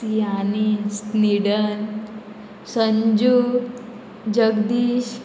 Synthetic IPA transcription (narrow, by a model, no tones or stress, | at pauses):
ianisniɽən | səɲd͡ʑu | d͡ʑəɡd̪iːɕ